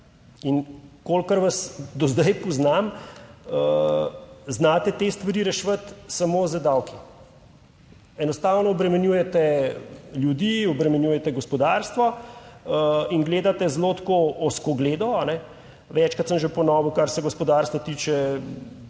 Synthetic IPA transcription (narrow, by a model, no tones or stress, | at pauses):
inkolkəɾʋasd̪ɔzd̪ɐjpɔznam | ə | znaːt̪ɛt̪est̪ʋɐɾiːɾɛʃʋət̪samozəd̪aːwki | ɛnɔst̪awnɔɔbɾɛmɛnjuːjɛt̪ɛ | ljud̪iɔbɾɛmɛnjuːjɛt̪ɛɡɔspɔd̪aɾst̪ʋɔ | inɡleːd̪at̪ɛzlot̪koɔskoɡleːd̪ɔanɛ | ʋɛt͡ʃkɐt̪səmʒepɔnɔʋukaɾsɛɡɔspɔd̪aɾst̪ʋɔt̪iːt͡ʃɛ